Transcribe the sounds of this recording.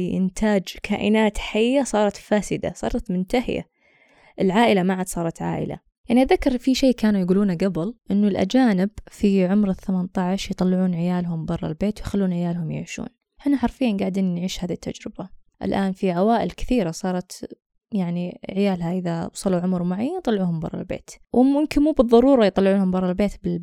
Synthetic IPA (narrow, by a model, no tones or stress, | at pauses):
ʔɪ̰nt̪ʰaːd͡ʒkʰa̰ːʔɪnaːt̪ħajːasˤɑːɾˤɑt̪faːsɪd̪a̰sˤɑ̰ːɾˤɑt̪mʊnt̪ahɪja̰ | ʔɪlʕaːʔɪlamaʕad̪sˤɑːɾˤɑt̪ʕa̰ːʔɪ̰la̰ | jaʕniʔaðakːɑɾˤfiʃeːkaːnujɡuːluːnaɡabɪlʔɪnːʊlʔa̰d͡ʒaːnɪbfiʕʊmɾɪθːamant̪ˤaʕʃjt̪ˤɑlːɪʕuːnʕɪjaːlɦʊmbɑrˤːɑ̰lbeːt̪wjxalːuːnʕɪjaːlhʊmjɪ̰ʕʃṵːn | ħɪnaħɑɾˤfijːanɡaʕd̪iːnnʕiːʃhaːðit̪ːa̰d͡ʒɾɪb̥aʔɪ̰lʔaːnfiʕawaːʔɪlkɪ̥θiːɾasˤɑːɾˤɑt̪ | jaʕniʕɪjaːlɦaʔɪðawsˤɑluʕʊmɾmʊʕajːant̪ˤɑlːʕuːhʊmbɑ̰rˤɑ̰lbḛːt̪wmʊmkɪnmuːbɨðˤːɑɾˤuːɾˤɑjt̪ˤɑlːɪʕuːnhʊmbɑrˤːɑlbeːt̪bɪl